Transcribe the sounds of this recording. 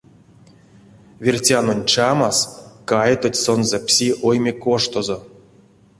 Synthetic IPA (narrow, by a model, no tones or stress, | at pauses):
vʲirʲtʲanonʲt͡ʃamaskajt̪otʲsonzɛpsʲiʔojmʲekoʂt̪ozo